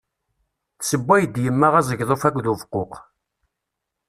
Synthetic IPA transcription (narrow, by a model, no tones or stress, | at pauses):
θsəbʷːæjəd̪jəmːaʁæzˤəʝðˤofækʷːðuvqːoq